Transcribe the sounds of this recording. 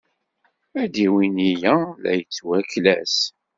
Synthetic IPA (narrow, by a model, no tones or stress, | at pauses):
æd̪iwinijælæ̰jət͡sːwæklæs